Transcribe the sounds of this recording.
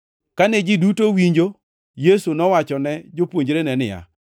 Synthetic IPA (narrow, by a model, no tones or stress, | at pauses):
kanɛd͡ʒidutowiɲd͡ʒo | jesunɔwat͡ʃɔnɛd͡ʒopwoɲd͡ʒɾenɛnɪja̰